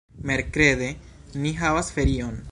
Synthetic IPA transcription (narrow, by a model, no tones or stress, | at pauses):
me̞ɾkɾe̞d̪eniɦavasfe̞ɾio̞n